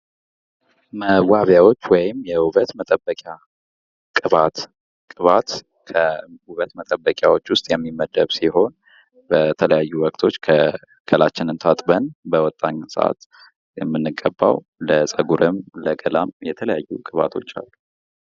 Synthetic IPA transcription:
məwaβjawo̞t͡ʃːwɔjɪmjɛwuβət̪mət̪ʼəbːəkʼja | kʼɨβat̪ | kʼɨβat̪ | kʰəhuβət̪mət̪ʼəbːəkʼjawo̞t͡ʃːwʊst̪ʼjɛmːimːəd̪əβsiɦo̞n | bət̪ʰələjajːuwɔkʼt̪ʰo̞t͡ʃːkʰə | ɡ̥ʰəlat͡ʃːɪnɨnt̪ʰat̪ʼbənbəwɔt̪ʼːaɲːsə̰ʔa̰t̪ | jɛmːɨnːɨɡʼːəbːa̰w | ləsʼəɡuɾʔɨmləɡəlamjɛt̪ʰələjajːukʼɨβa̰t̪ʰo̞̰t͡ʃːa̰lːu

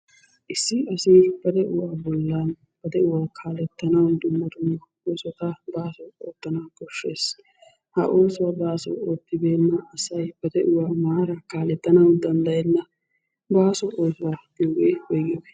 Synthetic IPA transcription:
ʔɪsːɪɐsiːb̥ɐd̪ɛʔʊwaːbɔlːan | b̥ɐd̪ɛʊwaːkʰaːlɛt̪ːɐnɐwd̪ʊmːɐt̪ʊnːɐ | oːsɔt̪ɐbaːsɔo̰ːt̪ːɐnakɔʃːe̞ːs | hɐ̰ʔoːsɔwɐbaːsɔ̰oːt̪ːɪbe̞ːnːɐɐsɐjb̥ɐd̪ɛʔʊwaːmaːɾɐkaːlɛt̪ːɐnɐwd̪ɐnd̪ɐjɛnːɐ | baːsɔʔoːsɔwɐdɪweɔjɡɪ

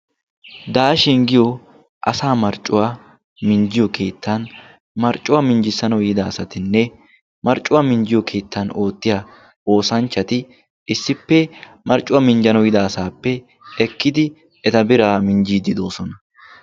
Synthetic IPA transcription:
d̪aːʃɪŋɡɪjɔ | ʔɐ̰saːmɐɾt͡ʃʼːʊwa | mɪɲd͡ʒɪjɔkʰe̞ːt̪ːan | mɐɾt͡ʃʼːʊwaːmɪɲd͡ʒɪsɐnɔjɪd̪aːsɐt̪ɪnːɛ | mɐɾt͡ʃʼːʊwaːmɪɲd͡ʒɪjɔkʰe̞ːt̪ːano̞ːt̪ːɪja | o̞ːsɐnt͡ʃːɐt̪ɪ | ɪsːɪpːɛ | mɐɾt͡ʃʼːʊwɐmɪnd͡ʒɐnɔjɪd̪aːsaːpːɛ | ɛkːɪd̪ɪ | ɛt̪ɐbɪɾaːmɪnd͡ʒiːd̪ɪd̪o̞ːsɔnɐ

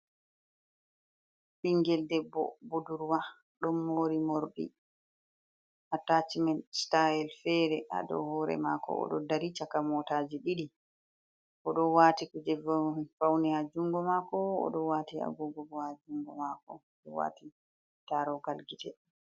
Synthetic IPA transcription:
ɓiŋɡɛldɛbːɔ̰buduɾwa | ɗɔnːoːɾimoɾɗḭ | ʔatat͡ʃimɛnstajɛlfɛɾɛʔa̰ɗɔ̰hɔɾɛ̰maːkɔ̰ɔ̰ɗɔdaɾit͡ʃakamɔtaːd͡ʒiɗiɗi | kɔɗɔwaːtikud͡ʒɛvfawnihad͡ʒuŋɡɔmakɔɔ̰ɗɔwaːtia̰ɡɔɡɔɡɔhad͡ʒuŋɡɔmakɔ | d͡ʒɛwa̰ːti | taɾɔɡalɡitɛ

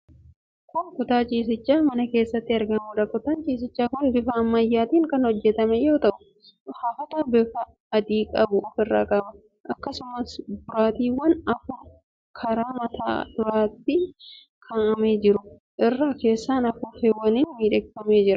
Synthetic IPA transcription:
kʊnkʊt̪aːt͡ʃʼiːs̬ɪt͡ʃːaːmɐnɐke̞ːsːɐt̪ːɪɐɾɡɐnuːᶑɐkʊt̪aːnt͡ʃʼiːs̬ɪt͡ʃːaːkʊnbɪfɐːmːɐjːaːt̪iːŋkɐnhɔd͡ʒːɛt̪ɐmɛjo̞ːt̪ɐʔʊ | haːfɐt̪aːbɪfɐː | d̪iːkʼɐbʊʔɔfɪrːa̰ːkʼɐbɐ | ʔɐkːɐsʊmɐsbʊɾaːt̪iːwɐnɐfʊ | kʰɐɾaːmɐt̪ʰa̰ːd̪ʊɾaːt̪ːɪ | kʰɐnɐme̞ːd͡ʒɪɾʊ | ʔɪrːaːke̞ːsːaːnɐfufeːwːɐniːnmiːᶑɛkfɐme̞ːd͡ʒɪɾɐ

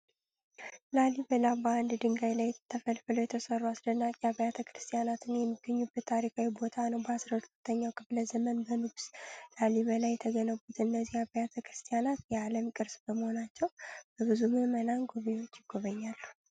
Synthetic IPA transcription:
lalibəlaband̪d̪ɨŋɡajlajt̪ʰːəfəlfələwjɛt̪ʰəsərːuasd̪ənːakʼjabəjat̪ʰəkʰɾɨst̪ʼijanat̪ʰɨnjɛmːiɡ̥ːəɲːubːət̪ʰːaɾikʰʼawibo̞t̪ʰanəwbəasɾt̪ut̪ʰːəɲːawkʰɨfləzəmənbənɨɡslaliβəlajːɛt̪ʰəɡənəβut̪ɨnːəzːihabəjat̪ʰəkɾɨst̪ʰʼijanat̪jɛaləmkʼɨɾsbəməho̞nat͡ʃːɛwb̥əβɨzuməmənaŋɡuβewo̞t͡ʃːɪɡ̥ːo̞βəɲːalːu

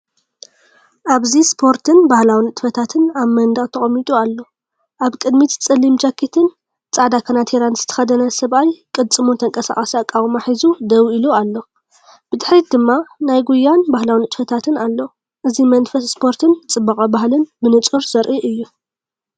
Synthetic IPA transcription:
ʔaβzispʰo̞ɾt̪ʰɨnbahlawinɨt̪ʼfɐt̪ʰat̪ʰɨnaβmɐnd̪ɐχʼt̪ʰɐχʼɐmːit̪ʼualːo̞ | ʔaβkʼɨd̪mit̪t͡sʼɨlːimd͡ʒakʰːit̪ʰɨn | t͡sʼaʕd̪akʰɐnat̪ʰeɾanzɨt̪ʰɐ̥xɐd̪ɐnɐsɐβajkʼɨd̪t͡sʼːɨmut̪ʰɐŋkʼɐsa̰χʼɐsiakʼawʼmaħizud̪ɐwilualːo̞ | b̥ɨd̪ɨħɾid̪ɨmːanajɡujːanbahlawinɨt̪ʼfɐt̪ʰat̪ʰɨnalːo̞ | ʔɨzimɐnfɐsspʰo̞ɾt̪ʰɨnt͡sʼɨbːɐkʼɐbaɦlɨnbɨnɨt͡sʼuɾz̥ɐɾʔiʔɨjːu

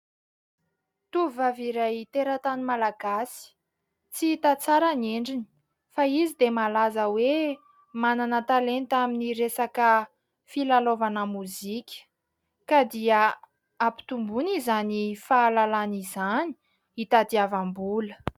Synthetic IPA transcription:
t̪uvvaviɾajt̪eɾat̪animalaɡasi̥ | t͡sit̪at͡saɾaneɳɖ͡ʐini̥ | faizid̪emalazəwe | mananət̪alent̪aminiɾesakə | filalovanəmuzikʲə̥ | kad̪iə | api̥t̪umbunizanifaːlalanizani̥ | it̪ad̪iavambulə̥

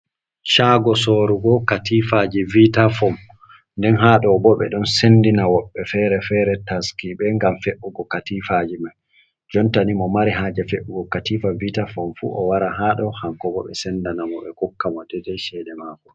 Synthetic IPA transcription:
ʃaːɡɔsɔɾuɡɔkatifad͡ʒivitafɔm | ndɛnɦaɗɔbɔɓɛ̰ɗɔnsendinawɔɓːɛfɛɾɛfɛɾɛtaskiɓɛŋɡamfeʔuɡɔkatifad͡ʒimaj | d͡ʒɔntanimɔmaɾiɦaːd͡ʒɛfeʔuɡɔkatifavitafɔmfṵʔɔwaɾaɦaɗɔhaŋkɔbɔ̰ɓɛ̰sɛndanamɔɓɛkɔkːamɔdɛdɛʃɛɗɛmaːkɔ

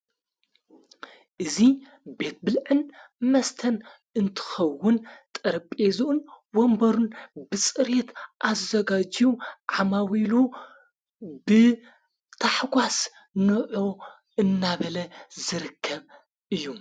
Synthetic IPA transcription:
ʔɨzi | be̞t̪̚bɨlʕɨnmɐst̪ʰɐn | ɨnt̪ʰɨ̥xɐwːʊnt̪ʼɐɾɐpʼezɨʔun | wombɐɾunbɨt͡sʼɨɾet̪ʔazɐɡad͡ʒjuʕamawilu | bɨ | t̪ʰaħɡʷas | nɨʕo | ɨnːaβɐlɐzɨɾɨkʰːɐβ | ʔɨjːu

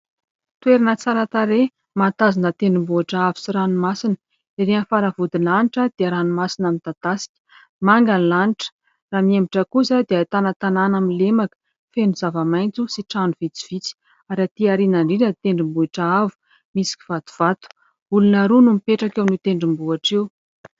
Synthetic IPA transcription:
t̪weɾinət͡saɾat̪aɾe | mat̪azinət̪eɳɖ͡ʐimbuaʈ͡ʂaavu̥siɾanumasinə | iɾeanfaɾavud̪inlaniʈ͡ʂəd̪̥eəɾanumasinamint̪at̪asi̥kʲə̥ | maŋɡanlaniʈ͡ʂə̥ | raːmiembiʈ͡ʂəkusad̪eat̪anət̪ananamilemakə̥ | fenuzavamajnt͡susiʈ͡ʂanuv̥it͡si̥v̥it͡si̥ | aɾat̪iaɾinaɳɖ͡ʐinət̪eɳɖ͡ʐimbuiʈ͡ʂaavu̥ | misi̥kʲi̥v̥at̪u̥v̥at̪u̥ | ulunaɾunumipeʈ͡ʂakewnut̪eɳɖ͡ʐimbuaʈ͡ʂew

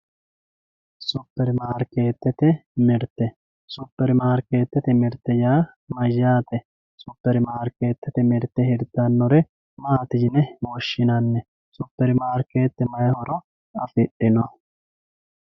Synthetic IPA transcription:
sʊpːɛɾɪmaːɾkːe̞ːt̪ːɛt̪ɛmɪɾt̪ːɛ | sʊpːɛɾɪmaːɾkeːt̪ːɛt̪ɛmɪɾt̪ːɛjaː | mɐjːaːt̪ɛ | sʊpːɛɾɪmaːɾke̞ːt̪ːɛt̪ɛmɪɾt̪ːɛhɪɾd̪ɐnːɔɾɛ | maːt̪ɪd͡ʒɪnɛmɔʃːɪnɐnːɛ | sʊpːɛɾɪmaːɾkeːt̪ːɛmɐjhɔɾɔ | ɐfɪɗɪnɔ

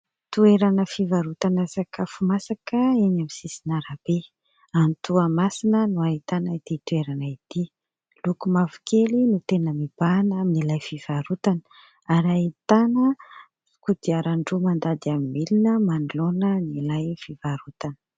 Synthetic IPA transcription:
t̪ueɾanəfivaɾut̪anasakʰəfumasakəeɲamisisinaɾab̥e | ant̪uamasinənuaɦit̪anait̪it̪ueɾanait̪i | lukumavu̥kʰelinut̪enəmib̥anaminilajfiv̥aɾut̪anə̥ | aɾait̪anə | kud̪iaɾaɳɖ͡ʐumand̪ad̪iamimelinəmanulonənilajfivaɾut̪anə̥

